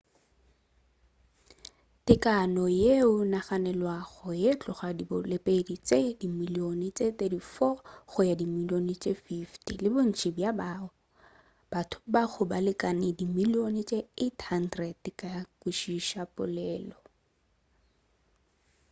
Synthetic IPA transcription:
tɪkʼanɔjeʊnaχanɛlwaχɔjet͡ɬʼʊχadibʊlepʼedit͡sʼedimilionɪt͡sʼet̪ʼedifɔɣʊjadimilionɪt͡ʃʼefiftilɪbʊn̩t͡ʃʰʼɪbjabaʊ | b̥atʰʊ̥baɣʊbalɪkʼanɪdimilionɪt͡ʃʼeetʰhan̩drɛdtɪkakuʃiʃapʼʊ̰lɛːlɔ

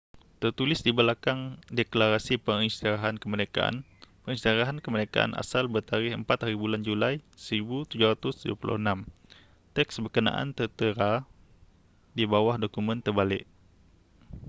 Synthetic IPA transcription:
t̪ərt̪ulɪsdibəlakaŋdɛklaɾasipəŋinst̪iɾaɦankəməneka̰ʔa̰n | pəŋinst̪iɾaɦankəməɾeka̰ʔa̰nʔa̰salbərt̪aɾɪɦəmpat̪̚haɾibuland͡ʒulajsəɾibut̪ud͡ʒʊɾat̪ʊsduəpulʔʊ̰hənãm | t̪ɛksbərkənã̰ʔa̰nt̪ərt̪əɾa | dibawahdokumə̃nt̪ərbalɪʔ

